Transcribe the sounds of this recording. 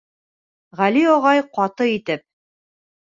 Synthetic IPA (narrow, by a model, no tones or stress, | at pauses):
ʁæliɒʁɑjqɑt̪ɤit̪ɘp̚